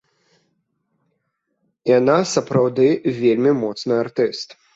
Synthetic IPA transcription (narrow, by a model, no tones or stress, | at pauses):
janasɐpɾawd̪ɨvʲelʲmʲimɔt̪snɨart̪ɨst̪